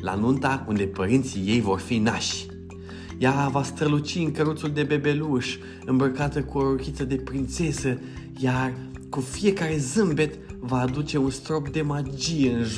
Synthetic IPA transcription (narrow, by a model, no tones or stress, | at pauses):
la̰nunt̪aund̪e̞pəɾint̪sije̞jvo̞rfinaʃʲ | javast̪ɾəlut͡ʃiɨŋkəɾut̪suld̪e̞be̞be̞luʃ | ɨmbɾəkat̪əkuoɾokʲit̪səd̪e̞pɾint̪se̞sə | jar | kufije̞kaɾe̞zɨmbe̞t̪vaːd̪ut͡ʃe̞unst̪ɾo̞pd̪e̞mad͡ʒije̞ɨnʒ